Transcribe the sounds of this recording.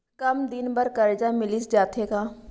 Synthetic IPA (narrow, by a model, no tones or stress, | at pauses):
kɐmd̪ɪnbɐɾkɐɾd͡ʒamɪlisd͡ʒaːt̪ekaː